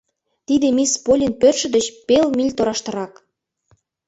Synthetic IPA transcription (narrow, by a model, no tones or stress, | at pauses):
t̪id̪emispolʲinpørʃə̆d̪ə̆t͡ɕpelmilʲt̪oɾɑʃt̪ə̆ɾɑk